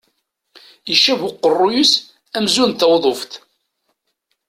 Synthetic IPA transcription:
əʃævʊqːərˤːʊjus | æmzunt̪æwðˤoft̪

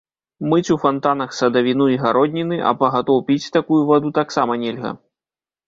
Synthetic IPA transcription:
mɨt͡sʲufant̪anɐxsɐd̪ɐvʲinuiɣaɾɔd̪ʲnʲinɨʔɐ̰pɐɣat̪ɔwpʲit͡sʲt̪akujuvad̪ut̪aksamɐnʲɛlʲɣɐ̰

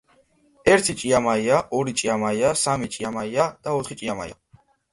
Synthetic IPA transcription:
ɛɾt̪ʰit͡ʃʼiamaiaʔɔɾit͡ʃʼiamaiasamit͡ʃʼiamaiad̪̥aɔt̪ʰχit͡ʃʼiama̰j̰a̰

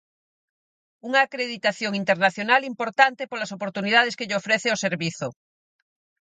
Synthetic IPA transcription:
uŋaːkɾeðit̪aθjoŋint̪eɾnaθjonalimpoɾt̪ant̪epolasopoɾt̪uniðað̞eskeʎofɾeθeoseɾβiθo

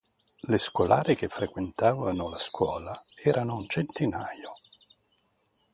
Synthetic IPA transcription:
leskwolʔa̰ːɾek̟efɾekwent̪aːvanolaskwɔːlaɛːɾanount͡ʃent̪inaːjo

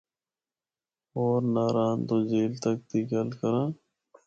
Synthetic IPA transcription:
oːɾnaːɾaːnt̪õːd͡ʒeːlt̪ək̚t̪iːkəlkəɾãː

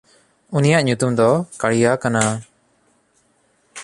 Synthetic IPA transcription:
unijaʔɲut̪umd̪ɔkaɽijakana

